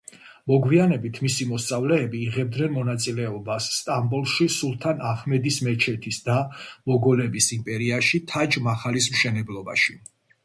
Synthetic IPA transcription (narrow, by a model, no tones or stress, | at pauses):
mɔɡwianɛbit̪ʰmisimɔst̪sʼavlɛːbiːʁɛb̚d̪nɛnmɔnat̪sʼilɛɔbasːt̪ʼambulˠʃisulˠt̪ʰanaχmɛd̪ismɛt͡ʃʰɛt̪ʰisd̪amɔɡɔlɛbisimpʼɛɾiaʃit̪ʰad͡ʒmaχalis̬mʃɛnɛblˠɔba̰ʃi